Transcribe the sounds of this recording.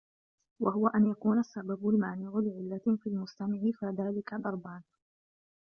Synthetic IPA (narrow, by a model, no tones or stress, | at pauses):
wahʊwaʔanjakuːnasːababʊlmaːnɪʕʊlɪʕɪlːafiːlmʊst̪amɪʕɪfiðaːlɪkad̪ɑɾˤbaːn